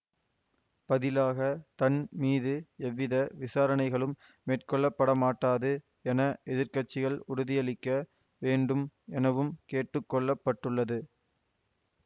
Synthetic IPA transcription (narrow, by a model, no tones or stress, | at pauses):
pɐðɪlaːɣɐt̪ɐnmiːðɯɛʋːɪðɐʋɪsaːɾɐnɐɪɣɐɭɯmː | eːʈkɔɭːɐpːɐɽɐmaːʈːaːðɯ | ɛnɐɛðɪɾkɐʈt͡ʃːɪɣɐɭʊɾʊðɪjɐɭɪkːɐ | ʋeːɳɖɯmɛnɐʋɯmkeːʈːɯkːɔɭːɐpːɐʈːɯɭːɐðɯ